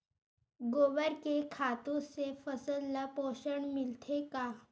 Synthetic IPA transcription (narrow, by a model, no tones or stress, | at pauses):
ɡoʋəɾkekʰat̪õsefəsəlːapoɕəɳmilt̪ʰeka